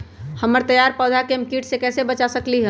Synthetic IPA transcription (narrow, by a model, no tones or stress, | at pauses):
həməɾt̪əjaɾpɔːd̪ʱakemkiːʈsekɛːsebət͡ʃasəkliɦə̃